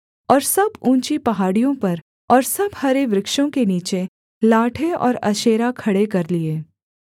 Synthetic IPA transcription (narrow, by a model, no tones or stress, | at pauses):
ɔːɾsɐbũːt͡ʃipɐɦaːɽijõpɐɾ | ɔːɾsɐbhɐɾeʋɾɪkʃõkeniːt͡ʃe | laːʈʰeɔ̰ːɾɐ̰ʃeːɾakʰɐɽekɐɾlieː